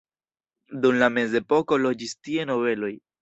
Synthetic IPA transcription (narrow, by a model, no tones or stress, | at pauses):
dumlame̞ze̞po̞ko̞lo̞d͡ʒistie̞no̞ve̞lo̞j